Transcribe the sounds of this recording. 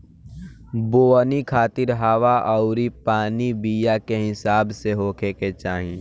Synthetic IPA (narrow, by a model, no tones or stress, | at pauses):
boːnikʰaːt̪ɪɾɦaːʋaʔɔʊɾipaːnibijakeɦɪsaːbseɦoːkʰeket͡ʃaːɦĩ